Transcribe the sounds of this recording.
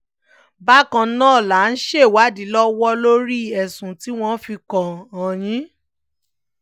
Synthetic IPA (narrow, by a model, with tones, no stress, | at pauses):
ba˦kã˧˦nãː˦˨la˨˦n̩˦ʃe˦˨wa˨˦di˨˦lɔ˦wɔ˦lo˦ɾi˦ɛ˨sũ˨ti˦w̃ɔ̃˧˦fi˧kɔ˨ɔ̃˨j̃ĩ˨˦